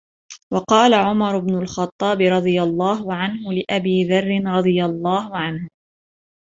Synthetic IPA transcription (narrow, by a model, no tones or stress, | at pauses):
wɑqɑːlaʕʊmɑɾˤʊbnʊlxɑt̪ˤːɑːbɪɾˤɑd̪ˤɨjalˤːɑːɦʊʕanɦʊlɪʔabiːðɑrˤːɪnɾˤɑd̪ˤɨjalˤːɑːɦʊʕanhʊ